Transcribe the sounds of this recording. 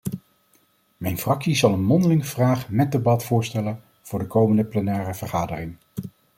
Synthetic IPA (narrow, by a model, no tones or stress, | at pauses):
mɛjnfrɑksizɑlˠənmɔndəlɪŋəvraːχmɛt̚debɑtfʊːɹstɛlən | v̥ʊːɹdəkowməndəplɛnɛːrəv̥əɹχaːdərɪŋ